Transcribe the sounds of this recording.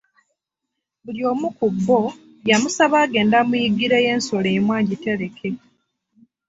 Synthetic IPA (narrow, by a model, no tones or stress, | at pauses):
βuljo̞ːmukubːo̞ | jamusaβaːɡe̞ːndamujiɡiɾeje̞ːnso̞leːmwaːɲɟite̞ɾe̞kʰe̞